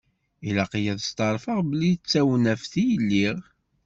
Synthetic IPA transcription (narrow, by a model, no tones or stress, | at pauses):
ilɑqijæðəst̪ˤɑɾˤfəʁbəlːit͡sːæwənæfθijəlːiʁ